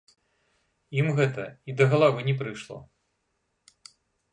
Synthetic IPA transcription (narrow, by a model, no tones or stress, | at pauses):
imɣɛt̪ɐid̪ɐɣɐlˠavɨnʲɛp̬ɾɨʂlˠɔ̰